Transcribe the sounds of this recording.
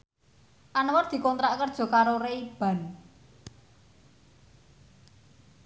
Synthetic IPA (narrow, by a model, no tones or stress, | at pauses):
ʔanwərd̪̥i̤kɔnt̪ɾaʔkərd̥ʒ̥ɔ̤kaɾoreib̥a̤n